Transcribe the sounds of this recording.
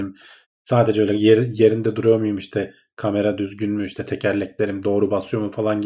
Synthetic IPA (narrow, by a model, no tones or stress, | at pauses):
im | saːd̪e̞d͡ʒɛølʲɛjeje̞ɾind̪ɛd̪uɾujomujumiʃt̪ʰɛ | kʰame̞ɾad̪yzɟynmyiʃt̪ʰɛt̪ʰecʰæɾlʲɛclʲe̞ɾimd̪o̞ːɾubasɯjo̞mufalˠan